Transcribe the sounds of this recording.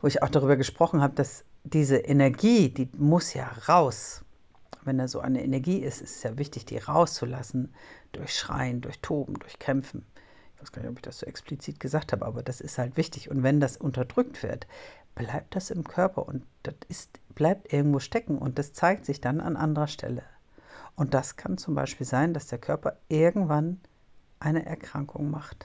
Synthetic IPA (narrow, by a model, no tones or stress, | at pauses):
voːɪça̰ʊxd̥aʁyːbɐɡəʃpʁ̥ɔχn̩haːbəd̥asd̥iːzəʔɛnɛɐɡiːd̥iːmʊsja̰ːʁaʊs | vɛndaːsz̥o̰ːʔa̰ɪnəʔɛ̰nɛɐɡiːɪstʔɪstsjaːvɪçtɪçd̥ḭːʁaʊst͡sulasn̩d̥ʊɐçʃʁ̥a̰ɪəndʊɐçtʰoːbm̩dʊɐçkʰɛmfn̩ | ɪçvaɪɡ̥aːnɪçɔpɪçd̥asz̥oːʔɛksplit͡siːt̚ɡ̥əzaːkthaːbəʔaːbɐd̥asɪsthaltv̥ɪçtɪçʊntv̥ɛndasʔʊntɐdʁʏk̚tv̥ɪ̰ɐtb̥laɪp̚t̚d̥asɪmkʰœɐpʰɐ̰ʔʊntd̥ɔtɪstb̥laɪp̚tʔɪɐɡŋ̩tv̥oːʃtɛkŋ̩ʔʊ̰nt̚d̥ast͡saɪk̚tz̥ɪçd̥anʔa̰nʔandəʁɐʃtʰɛ̰lə | ʔʊnt̚d̥askʰant͡sʊmba̰ɪʃpiːlzaɪndasd̥eːɐkʰœɐpɐʔɪɐɡŋ̩tv̥an | ʔaɪnəʔɛɐkʁ̥aŋkʰʊŋmaχt